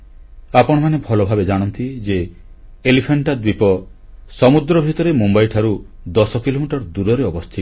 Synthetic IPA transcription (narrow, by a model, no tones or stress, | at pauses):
apɔɽ̃ɔmanebʱɔlɔbʱabed͡ʒaɽ̃ɔnt̪id͡ʒeː | lipʰaɳʈad̪wipɔ | sɔmud̪ɾɔbʱit̪ɔɾemumbajʈʰaɾu | d̪ɔsɔkilomiʈɔɾd̪uɾɔɾeɔbɔst̪ʰi